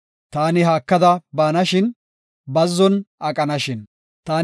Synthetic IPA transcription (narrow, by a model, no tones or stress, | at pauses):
t̪aːnɪɦaːkːɐd̪ɐbaːnɐʃɪn | bɐzːɔnʔɐkʼɐnɐʃɪn | t̪aː